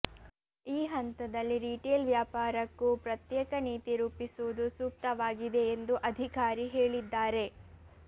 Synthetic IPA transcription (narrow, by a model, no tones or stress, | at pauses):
iːɦɐnt̪ɐd̪ɐlːiɾiːʈeːlʋjaːpaːɾɐkːupɾɐt̪jɛːkɐniːt̪iɾuːpisud̪usuːk̚t̪ɐʋaːɡid̪e̞ːnd̪uʔɐd̪ʱikaːɾiɦeːɭid̪ːaːɾe̞